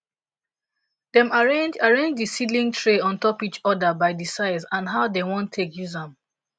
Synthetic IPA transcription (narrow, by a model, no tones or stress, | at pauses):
dɛ̃maɹẽnd͡ʒaɹẽnd͡ʒdisilĩŋtʰɹeɔ̃ntɔpit͡ʃɔdabaɪdisaɪzãnɦaʊdewɔ̃ntʰekjuzãm